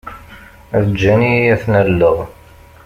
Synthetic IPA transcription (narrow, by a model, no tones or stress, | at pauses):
ðəd͡ʒːænijæθnəlːəʁ